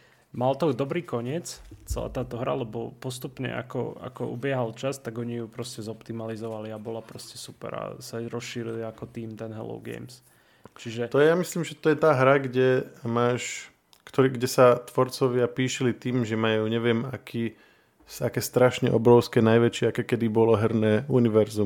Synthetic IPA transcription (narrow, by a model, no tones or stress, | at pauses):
malt̪ɔd̪ɔbɾiːkɔɲɪɛt͡st͡sɛla̰ːt̪aːt̪ɔɦɾa̰lɛbɔpɔst̪upɲɛ̰ʔa̰kɔ̰a̰kɔ̰ʔṵbɪɛɦalt͡ʃast̪aɡɔɲijupɾɔscɛzɔpt̪imalizɔʋaliabɔlapɾɔscɛsupɛ̰ɾa̰saɾɔsʃiːɾiliakɔt̪iːmt̪ɛnɦɛ̰lɔ̰ʊɡɛ̰jms | t͡ʃiʒɛt̪ɔjɛjamisliːmʒɛt̪ɔjɛt̪aːɦɾaɡɟɛmaːʃ | kt̪ɔɾiɡɟɛsat̪ʋɔɾt͡sɔʋɪapiːʃɛlit̪iːmʒɛmajuːɲɛʋɪɛmakʰiː | sakɛːst̪ɾaʃɲɛʔɔbɾɔʊskɛnajʋɛt͡ʃɪɛakɛkɛd̪ibɔlɔɦɛɾnɛːuniʋɛɾzum